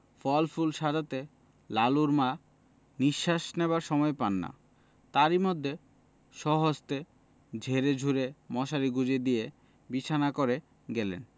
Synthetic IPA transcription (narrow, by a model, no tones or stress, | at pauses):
fɔlfulʃad͡ʑat̪e | laluɾma | niʃːaʃnebaɾʃɔmɔepanːa̰ | t̪aɾimod̪ʱːe | ʃɔɦod͡ʑt̪e | d͡ʑʱeɾed͡ʑʱuɾemɔʃaɾiɡud͡ʑed̪ije | bit͡ɕʰanakoɾe | ɡɛlḛn